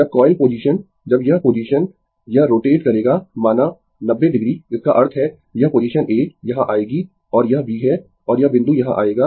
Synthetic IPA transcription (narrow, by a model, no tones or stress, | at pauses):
d͡ʒɐb̚kɔːɪlpoːd͡ʒiːʃən | d͡ʒɐbjɐɦpoːd͡ʒiːʃən | jɐɦɾoːʈeːʈkɐɾeːɡamaːna | nɐbːedɪɡɾiɪskaʔɐɾt̪ʰɦɛ | jɐɦpoːd͡ʒiːʃənʔeːkjɐɦãʔaːeːɡi | ɔːɾjɐɦbʱiːɦɛ | ɔːɾjɐbɪ̃nd̪ujɐɦã̰ʔa̰ːeːɡaː